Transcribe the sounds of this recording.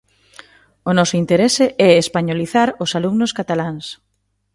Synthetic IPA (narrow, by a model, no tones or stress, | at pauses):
onɔsʊint̪eɾesɪʔɛespaɲoliθaɾosalumnʊskat̪alaŋs